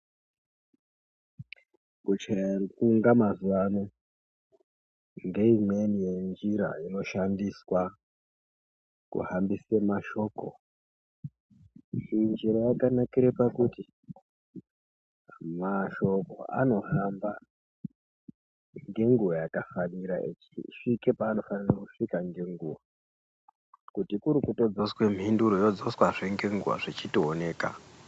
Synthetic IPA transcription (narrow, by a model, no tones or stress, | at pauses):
kut͡ʃarikuːŋɡamazuʋano | ŋɡe̞ime̞nije̞nd͡ʒiɾa̰ino̞ʃandiswa | kṵhambisemaʃo̞ko̰ | ʐind͡ʒiɾojakanakiɾepakuti | maʃo̞ko̞̰a̰no̞ɦamba | ŋɡe̞ŋɡuwajakafaniɾa̰ʔet͡ʃiʂikepaːno̞fanirakuʂikaŋɡe̞ŋɡuwa | kutikuɾukuto̞d͡zo̞swe̞mɦinduɾojo̞d͡zoswaʐeŋɡe̞ŋɡuwa̰ʐet͡ʃitione̞ːka̰